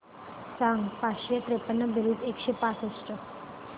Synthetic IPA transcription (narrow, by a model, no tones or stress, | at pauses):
saŋɡpaʃət̪ɾepənːəbiɾud̪ekʃepãt͡səsʈə